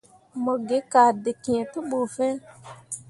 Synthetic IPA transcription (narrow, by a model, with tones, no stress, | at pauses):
mɔ˨ɡɪ˨˦ka˨dɪ˨ki˨ẽ˨tʊ˦ɓo˨fɛ˦